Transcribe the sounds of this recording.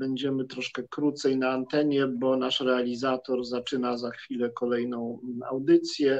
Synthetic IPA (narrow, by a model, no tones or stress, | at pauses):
bɛɲd͡ʑɛmɘt̪ɾɔʂkɛkɾut̪sɛjnaːnt̪ɛɲɛbɔnaʂɾɛalʲizat̪ɔɾzat͡ʂɘnazaxfʲilɛkɔlɛjnɔ̃w̃a̰wd̪ɘt̪sʲjɛ